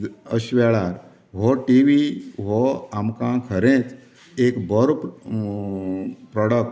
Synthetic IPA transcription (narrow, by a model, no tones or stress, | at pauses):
əɕʋeɭaɾ | ɦɔʈiʋiɦoamkãkʰəɾẽt͡s | eːkbəɾp | pɾɔɽək̚ʈ